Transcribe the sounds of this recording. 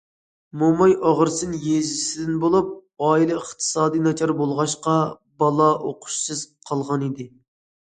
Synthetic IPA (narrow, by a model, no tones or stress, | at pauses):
momɑjʔɑʁəɾsɨnjeʒɪsɪd̪ɪnbolˠup̚ɑːilˠɨəχt̪ʰɨ̥sɑːd̪ijnɑt͡ʃʰɑɾbolˠʁɑʃqɑ | bɑlˠɑʔoqʰʊ̥ʃsɨz̥qʰɑlˠʁɑnid̪ɪ